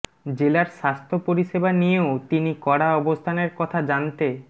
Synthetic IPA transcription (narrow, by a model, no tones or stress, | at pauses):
d͡ʑelaɾʃast̪ʰopoɾiʃebanijeot̪inikɔɽaɔbost̪ʰaneɾkɔt̪ʰad͡ʑant̪e